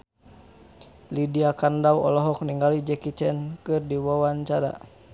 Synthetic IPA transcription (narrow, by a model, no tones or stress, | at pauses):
lidiakandawɔ̰lɔɦɔk̚niŋɡalid͡ʒɛkit͡ʃɛnkɨrdiwawant͡ʃaɾa̰